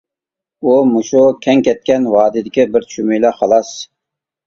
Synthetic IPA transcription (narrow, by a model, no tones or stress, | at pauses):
umuʃukʲʰɛŋkʲɛt̪̚kʲɛnwɑːd̪ɪd̪ɪkʲibɪɾʃʰymijlɛχɑlˠɑs